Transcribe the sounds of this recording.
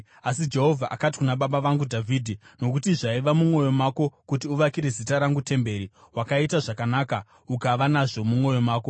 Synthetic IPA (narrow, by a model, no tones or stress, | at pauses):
asid͡ʒe̞ɦo̞vʱaʔakat̬i̥kunaɓaɓaʋaŋɡudʱavʱiːdʱino̞kutiʐaiʋamumo̞jo̞maːko̞kutiuʋakiɾe̞zitaɾaŋɡute̞mbe̞ɾiwakaitaʐakanaːka | ukaʋanaʐo̞mumwo̞jo̞maːko̞